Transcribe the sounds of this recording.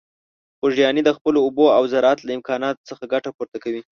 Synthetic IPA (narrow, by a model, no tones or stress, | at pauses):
xoʒjɑnid̪əxpəloːboawzaɾɑat̪laɪmkɑnɑt̪o̥t͡səxaɡaʈapoɾt̪akawi